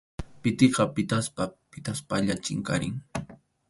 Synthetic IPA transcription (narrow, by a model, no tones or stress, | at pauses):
pɪt̪eqɑpɪt̪aspapɪt̪aspaʎat͡ʃɪŋka̰ɾɪ̰ŋ